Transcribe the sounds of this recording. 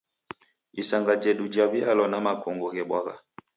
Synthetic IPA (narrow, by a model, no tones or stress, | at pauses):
isaŋɡad͡ʒɛɗud͡ʒaβialɔnamakɔŋɡɔɣɛɓwaɣa̰